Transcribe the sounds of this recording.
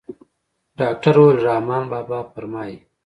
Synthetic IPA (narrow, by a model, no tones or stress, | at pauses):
ɖɑːk̚ʈaɾolɾɑːmɑːnbɑːbɑːpəɾmɑːji